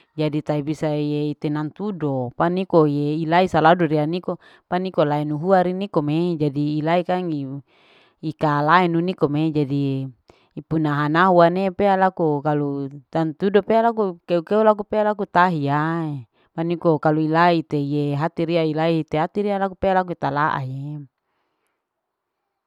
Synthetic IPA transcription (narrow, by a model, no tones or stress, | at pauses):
d͡ʒadit̪aibisajeit̪enant̪udopanikojeilaisaladoɾianiko | panikolaɛnuɦuaɾinikomed͡ʒadiːlaikaŋi | ikalaɛnunikomed͡ʒadi | ipunaɦanaɦuanepealakukalut̪ant̪udopealak̬ukeukeulak̬upealakut̪aɦiae | panikokaluilait̪ejeɦat̪iɾiailait̪eat̪iɾialakupealak̬uit̪alaʔa̰je